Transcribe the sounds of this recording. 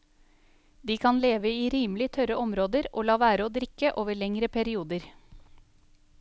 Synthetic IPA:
d̪iːkʰɑnleːʋəiːɾiːmlɪt̪ʰœɾəɔmɾoːd̪əɾʔo̰ːlɑːʋæːɾəoːd̪ɾɪkəʔoːʋəɭɛŋɾəpʰæɾɪuːd̪əɾ

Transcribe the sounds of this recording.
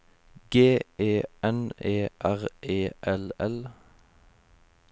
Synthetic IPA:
ɡeːʔeːɛneːʔæʁʔeːʔɛlɛl

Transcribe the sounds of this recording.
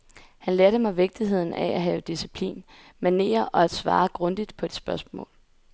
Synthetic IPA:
hænlɛɐɾ̥əmɑʋe̝ɡ̥̚d̥iɦe̝ð̞̰ˠn̩ʔææɦɛːʊd̥isipʰlḭːn | mæne̝̰ːɐʔɒ̽æd̥sʋɑ̰̈ːɡ̥ʁɔ̽nd̥id̥pʰɒ̽e̝d̥sb̥ɶɐsmɔ̰̽ːl

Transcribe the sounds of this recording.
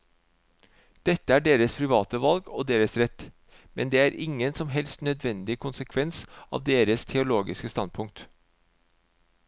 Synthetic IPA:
d̪̥ɛt̪əæːɖeːɾəspʰɾɪʋɑːt̪əʋɑlɡoːd̪eːɾəsɾɛt̪ | mɛnd̪eːæːɾʔɪŋənsɔmɦɛlst̪nœd̪ʋɛnd̪ɪkʰʊnsəkʰʋɛnsʔɑ̰ːʋd̪eːɾəst̪ʰɛʊloːɡɪskəst̪ɑnpʰʊŋk̚t̪

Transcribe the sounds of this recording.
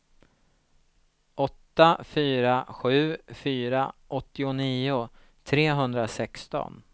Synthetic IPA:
ʔɔt̪ːafyːɾaɧʉ̟ːfyːɾaʔɔt̪ːɪʊniːʊ | t̪ʰɾeːɦɵnd̪ɾasɛkst̪ɔ̰n

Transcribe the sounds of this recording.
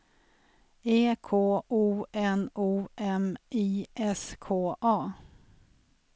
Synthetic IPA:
eːkʰoːʔuːɛnuːʔɛmiːʔɛskʰoːʔɑː

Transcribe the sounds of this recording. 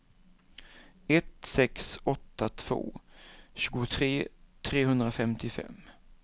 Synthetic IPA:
ɛt̪sɛksɔt̪ːat̪ʰv̥o̰ːɕʉ̟ːɡʊt̪ʰɾeːt̪ʰɾeːɦɵnd̪ɾafɛmt̪ɪfɛ̰mː

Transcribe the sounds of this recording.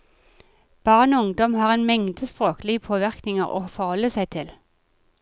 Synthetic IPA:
b̥ɑːʁnoːʊŋd̪ɔmhɑːʁeːnmɛŋd̪əspʁoːklɪəpʰoːʋɪʁknɪŋə̰ʁo̰ːfɔʁhɔlːəsæɪt̪ʰɪl

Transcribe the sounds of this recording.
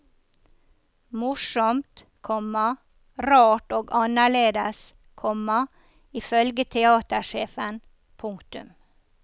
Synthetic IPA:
mʊʃɔmt̪ | kʰɔmɑ | ɾɑːʈoːɡɑnəɭeːd̪əs | kʰɔmɑ | ɪfœlɡət̪ʰɛɑːt̪əʃeːfən | pʰʊŋkt̪ʉ̰m

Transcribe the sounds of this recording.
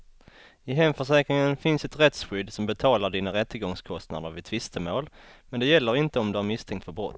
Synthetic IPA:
ɪɦɛmfœʂɛːkɾɪŋənfɪnsɛt̪ɾɛt̪sɧʏd̪sɔmbɛt̪ʰɑːlaɖiːnaɾɛt̪ʰːəɡɔŋskʰɔst̪na̰d̪əɾvɪt̪ʰvɪst̪ʰəmoːlmɛnd̪ɛjɛlːəɾɪnt̪əɔmd̪ɵæɾmɪst̪ʰɛŋkt̪fœɾbɾɔ̰t̪ː

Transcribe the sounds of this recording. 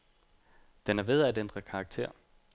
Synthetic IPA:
d̥enæɐʋe̝ð̞ˠædend̥ʁɐkʰɑ̈ːɡ̥̚t͡sʰe̝̰ɐ̰

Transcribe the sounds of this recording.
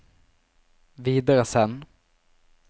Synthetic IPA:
viːd̪aɾəsɛn

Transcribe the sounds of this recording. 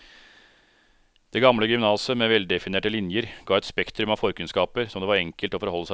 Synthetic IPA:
d̪̥ɛːɡɑmləɡʏmnɑːsəmeːʋɛld̪ɛfɪneːʈəlɪnjəɾɡ̥ɑːɛt̪spɛkt̪ɾʉmɑʋfɔɾkʉnskɑːpəɾsɔmd̪eːʋɑɾɛŋkəlt̪ɔfɔɾhɔlːəsæ

